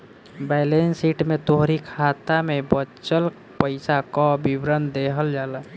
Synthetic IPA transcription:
baɪlensiʈmet̪oɦɾikʰat̪amebət͡ʃəl | pəɪsakɔbibɾənd̪eɦəld͡ʒala

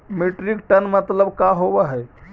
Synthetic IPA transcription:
meʈɾikʈənmət̪ləbkaɦobaɦɛ

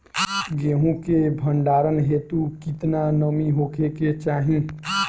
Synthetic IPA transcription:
ɡeɦũkebʱəɳɖaːɾənɦet̪ukit̪nanəmiɦokʰeket͡ʃaːɦĩ

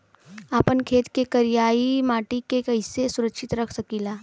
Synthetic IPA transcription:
aːpənkʰeːt̪kekɐɾijaːimaːʈikekɐɪsesʊɾəkʃɪt̪ɾɐkʰsɐkiːlaː

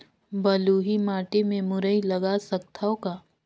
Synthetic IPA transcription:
bɐluːɦimaːʈimẽmʊɾəilɐɡasɐk̚t̪ʰaokaː

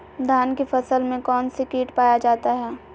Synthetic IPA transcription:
d̪ʱaːnkefɐsəlmẽkɔːnsekiːʈpaːjad͡ʒaːt̪aɦɛː

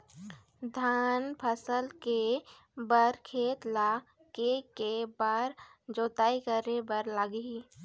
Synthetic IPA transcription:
d̪ʱaːnpʰəsəlke | bəɾkʰeːt̪laː | kekebaɾd͡ʒoːt̪aːikəɾebəɾlaːɡiː

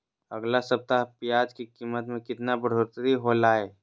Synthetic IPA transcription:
ɐɡlasɐb̚t̪apijaːd͡ʒkikiːmːət̪mẽkɪt̪nabəɽ̤ʱoɾt̪ɾiɦolaːeː

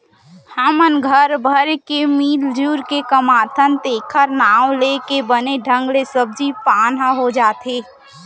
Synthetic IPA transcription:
həmənɡʱəɾbʱəɾkemiːld͡ʒuːɾkekəmaːt̪ʰənt̪eːkʰəɾnaːwlekebəneɖʱə̃ŋɡlesəb̚d͡ʒipaːnɦaɦod͡ʒaːt̪eː

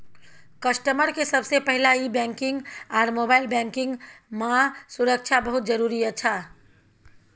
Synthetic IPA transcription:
kəsʈəməɾkesəbsepɛɦɪlaibɛ̃ːŋkɪ̃ŋɡɔːɾmoːbaːɪlbɛ̃ːŋkɪ̃ŋɡmãsʊɾək̚t͡ʃʰabəɦʊt̪̚d͡ʒəɾuːɾiəːt͡ʃʰaː

